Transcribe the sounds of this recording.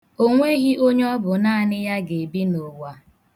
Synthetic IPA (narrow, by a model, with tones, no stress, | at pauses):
o˦ŋʷe˦ɣi˦ʔo˦ɲ˦ɔ˦bʊ˨na˦a˨nɪ˦ja˦ɡe˨bi˦no˨wa˨